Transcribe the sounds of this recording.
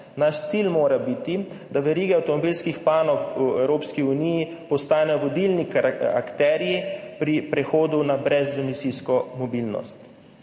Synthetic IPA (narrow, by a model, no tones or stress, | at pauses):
naʃt̪silmoːɾabit̪i | d̪aʋɛɾiːɡɛawt̪ɔmɔbilskixpaːnɔwfuɛwɾoːpskiuniji | pɔst̪aːnɛjɔʋɔd̪ilnika̰kt̪ɛːɾijipɾipɾɛxoːd̪unabɾɛzunisiskɔmɔbilnɔ̰st̪